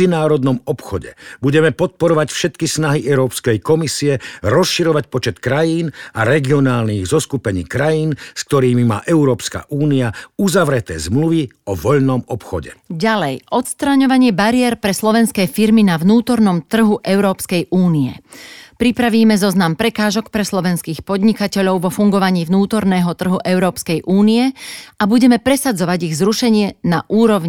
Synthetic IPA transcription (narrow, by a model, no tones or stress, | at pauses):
inaːɾɔd̪nɔmɔpxɔɟɛ̰buɟɛmɛpɔt̪̚pɔɾɔʋacfʃɛt̪kisnaɦiʔɛʊɾɔːpskɛjkɔmisiɛɾɔsʃiɾɔʋacpɔt͡ʃɛt̪kɾajiːnaɾɛɡiɔnaːlniːɣzɔskupɛɲḭːkɾajiːnsk̚t̪ɔɾiːmima̰ːʔɛʊɾɔːpska̰ʔuːniauzaʋɾɛt̪ɛːzmluʋiɔʋɔʎnɔmɔpxɔɟɛ̰ɟalɛjʔɔt̪st̪ɾaɲɔʋaɲɪɛbaɾɪɛɾpɾɛslɔʋɛnskɛːfiɾminaʋnuːt̪ɔɾnɔmt̪r̩ɦuʔɛʊɾɔːpskɛjʔuːniɛ̰pɾipɾaʋiːmɛzɔznampɾɛkaːʒɔkpɾɛslɔʋɛnskiːxpɔd̪ɲikacɛʎɔʊʋɔfuŋɡɔʋaɲiːʋnuːt̪ɔɾnɛːɦɔt̪r̩ɦuʔɛʊɾɔːpskɛjʔuːniɛabuɟɛmɛpɾɛsad͡zɔʋaɟiɣzɾuʃɛɲɪɛnaʔuːɾɔʋɲi